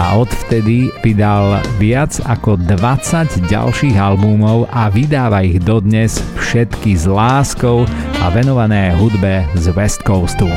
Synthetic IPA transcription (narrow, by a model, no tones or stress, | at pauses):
a̰ɔt̪ft̪ɛd̪iʋid̪alʋɪad͡zakɔd̪ʋat͡saɟɟa̰lʃiːɣalbumɔʊʔaʋid̪aːʋaiɣd̪ɔd̪ɲɛsfʃɛt̪kizlaːskɔʊa̰ʋɛnɔʋanɛːɦud̪bɛzʋɛst̪kɔʊst̪u